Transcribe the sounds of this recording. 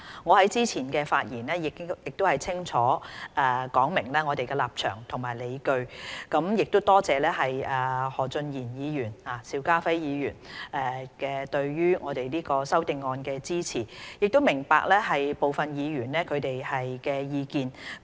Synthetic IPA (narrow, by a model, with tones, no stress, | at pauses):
ŋɔː˨˧hɐ˨˥jt͡siː˥t͡sʰiː˨˩nkɛː˧faː˧t̚jiː˨˩nɛː˥jɪ˨jɪ˨k̚t̪o˥whɐ˨jt͡sʰɪ˥ŋt͡ʃʰɔː˨˥ʔɛː˨˩kɔː˨˥ŋmɪ˨˩ŋlɛː˥ŋɔ˨˧t̪e˨jkɛː˧laː˨˩p̚t͡ʃʰœ̰ː˨˩ŋt̪ʰʊ˨˩ŋmaː˨˩jle˨˧jkɵ˧ɥkɐ˨˥mjɪ˨k̚t̪o˥t̪ɔː˥t͡sɛː˨lɛː˥ɦɐ˨jɛː˨hɔː˨˩t͡sɵ˧njiː˨˩njiː˨˧jyː˨˩naː˨˩siː˧wkaː˥fɐ˥jjiː˨˧jy̰ː˨˩nʔɛ˨kɛː˧t̪ɵ˧ɥjyː˥ŋɔː˨˧t̪e˨jliː˥kɔː˧sɐ˥wt̪ɪ˨˧ŋːɔː˧nkɛː˧t͡siː˥t͡sʰiː˨˩jɪ˨k̚t̪o˥wmɪ˨˩ŋpa̰ː˧k̚lɛː˥ɦɐ˨jpo˨wfɐ˨njiː˨˧ɥyː˨˩nlɛː˥kʰɵ˨˧ɥt̪e˨jhɐ˨jkɛː˧jiː˨˧kiː˧n